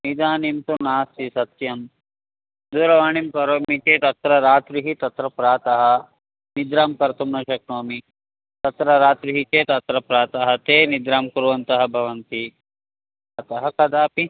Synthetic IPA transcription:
nid̪aːnimt̪unaːst̪isɐt̪jɐm | d̪uːɾɐʋaːɳimkɐɾoːmit͡ʃeːt̪ɐt̪ɾɐɾaːt̪ɾiɦit̪ɐt̪ɾɐpɾaːt̪ɐɦɐ | nid̪ɾaːmkɐɾt̪umnɐʃɐk̚ɳoːmi | t̪ɐt̪ɾɐɾaːt̪ɾiɦit͡ʃeːt̪ɐt̪ɾɐpɾaːt̪ɐɦɐt̪eːnid̪ɾaːmkuɾuʋɐnt̪ɐɦɐbʱɐʋɐnt̪i | ɐt̪ɐɦɐkɐd̪aːpi

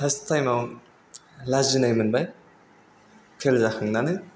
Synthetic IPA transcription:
hastʰajmaw | lazinajmɯnbaj | kʰelzaxʰɯŋnanɯ

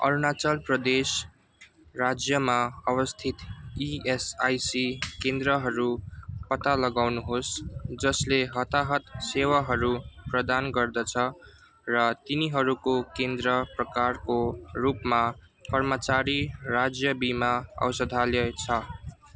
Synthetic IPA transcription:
ʌ̰ɾunat͡sʌlprʌd̪es | rad͡zjʌmaʌβʌst̪ʰit̪iesajsikend̪rʌɦʌɾupʌt̪alʌɡawnuɦosd͡zʌsleɦʌt̪aɦʌt̪sewaɦʌɾuprʌd̪anɡʌrd̪ʌt͡sʰʌ | rʌt̪iniɦʌɾukokend̪rʌprʌkarkorupma | kʌrmʌt͡saɾirad͡zjʌbimaʌ̰wsʌd̪ʱaljʌt͡sʰʌ

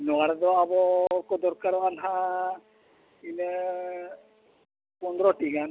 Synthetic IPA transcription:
nɔaɽɛd̪ɔabɔkɔd̪ɔɾkaɾɔalɦa | inɛ | pɔnd̪ɾɔʈiɡan

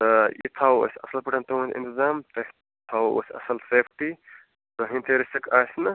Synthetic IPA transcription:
t̪ɐjḭt̪ʰaːwo̰sʲɐsɐlpiʈʰɐnt̪oũnʲḭnt̪ɪzaːmt̪ɐ | t̪ʰawo̰sʲɐ̰sɐlseːfʈi | t̪oɦĩnt̪ʰeːɾisɐkaːsnɐ

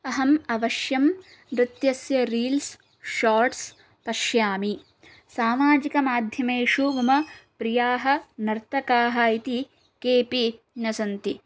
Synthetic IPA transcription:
ɐɦɐmɐʋɐʃjɐm | ɾɪt̪jɐsjɐɾiːls | ʃaːɾʈs | pɐʃjaːmi | saːmaːd͡ʒikɐmaːd̪ʱjɐmeːʂuʋɐmɐpɾijaːɦɐ̆nɐɾt̪ɐkaːɦɐit̪i | keːpi | nɐsɐnt̪i

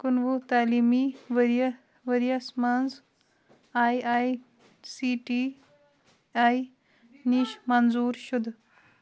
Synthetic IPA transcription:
kunʋut̪aːlimiʋəɾɐ | ʋəɾijasmand͡z | ajaj | siʈi | aj | niɕmanzuːɾɕud̪

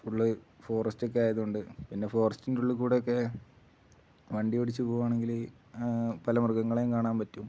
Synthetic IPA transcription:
uɭːɨfo̞ːrɐstok̬ːeaːjɐðuɳɖɨpinːe̞fo̞ːrɐstindeuɭːɨkuːɽeokːe̞ | ʋɐɳɖioɽit͡ɕːɨpo̞ːʋaːɳe̞ŋɡil | pɐlɐmurkːɐŋːɐɭejŋkaːɳaːnpɐtːum

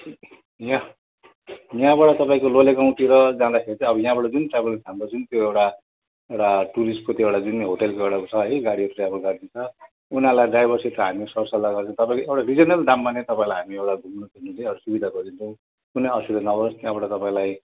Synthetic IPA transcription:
jã | jãbaʈʌt̪ʌpaĩkololeɡaw̃ʈiɾʌd͡zãd̪akʰeɾt͡sʰʌ̃ʌbʌjãbaʈʌd͡zunʈrabʌlsʰamɾod͡zunt̪joewʈa | ewʈaʈuɾisʈ̚kot̪joewɽad͡zunɦoʈelkoewɽat͡sʰʌeɡaɽiʌt̪rijabʌlɡʌɾd̪int͡sʰʌ | unãlajɖajbʌrsiet̪ʌɦamisʌrsalaɡʌrt͡sʰʌ̃t̪ʌpaĩkoewʈarid͡zʌnʌlɖambanet̪ʌpãĩlajɦamiewʈaɡʱumnutʰinuleɽʌsubid̪ʱaɡʌɾd̪int͡sʰʌ̃ | kuneʌsiɾenʌwdʌst̪jãbaʈʌt̪ʌpãĩlaj

